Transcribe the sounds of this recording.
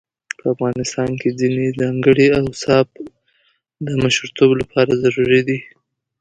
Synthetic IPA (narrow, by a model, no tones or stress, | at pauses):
pʰəafɣɑnɪst̪ɑnked͡zinezɑŋɡəɽiawsɑb | d̪əmaʃɾt̪ʰoblapʰɑɾazaɾuɾid̪i